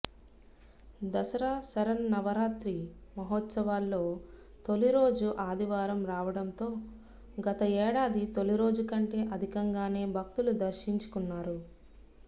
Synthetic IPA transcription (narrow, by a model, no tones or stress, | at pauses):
d̪ɐsɐɾaːsɐɾɐnːɐʋɐɾaːt̪ɾimɐɦoːt̪sɐʋaːlːo̞ː | t̪o̞liɾo̞ːd͡ʒuʔaːd̪iʋaːɾɐmɾaːʋɐɽɐnt̪o̞ː | ɡɐt̪ɐɛːɽaːd̪it̪o̞liɾo̞ːd͡ʒukɐɳʈe̞ːʔɐd̪ʱikɐŋɡaːne̞ːbʱɐk̚t̪ulud̪ɐɾʃiɲt͡ʃu̥kunːaːɾu